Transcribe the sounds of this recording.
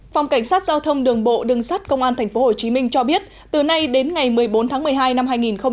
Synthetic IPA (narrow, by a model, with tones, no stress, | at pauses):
fa˨˩wŋ͡mka˧˩ŋ̟saː˦˥t̚zaː˧wt̪ʰə˧wŋ͡mɗɨ˨˩əŋɓo̰˧˨ɗɨ˨˩ŋsaː˦˥t̚kə˧wŋ͡mʔaː˧nt̪ʰɛ˨˩ŋ̟fo˨˦ho˨˩t͡ɕi˨˦mï˧ŋ̟t͡ɕɔ˧ɓi˦˥ət̚ | t̪ɨ˨˩na˧jɗe˨˦nŋa˨˩jmɨ˨˩əjɓo˨˦nt̪ʰaː˨˦ŋmɨ˨˩əjɦaː˧jna˧mɦaː˧jŋi˨˩nxə˧ŋ͡m